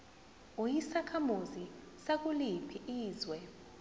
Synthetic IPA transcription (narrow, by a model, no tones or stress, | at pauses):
ujisakʰamuzi | sak̬ulipʰiʔiːzwɛ